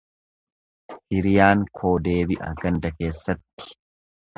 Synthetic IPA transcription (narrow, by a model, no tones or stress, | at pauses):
hɪɾɪjaːŋkʰo̞ːd̪e̞ːbɪʔɐ̰ɡɐnd̪ɐke̞ːsːɐt̪ːɪ̥